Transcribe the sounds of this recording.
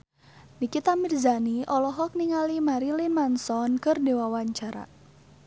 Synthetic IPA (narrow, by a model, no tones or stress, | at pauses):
nikit̪amirzaniʔɔlɔɦɔk̚niŋalimaɾilimansɔnkɨrdewawaɲt͡ʃaɾa̰